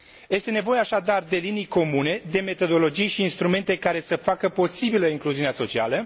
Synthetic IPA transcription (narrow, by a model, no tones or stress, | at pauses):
je̞st̪e̞ne̞vo̞jeaʃad̪ard̪e̞linijko̞mune̞d̪e̞me̞t̪o̞d̪o̞lo̞d͡ʒijʃiːnst̪ɾume̞nt̪e̞kaɾe̞səfakəpo̞sibiləiŋkluziuneaso̞t͡ʃia̰lə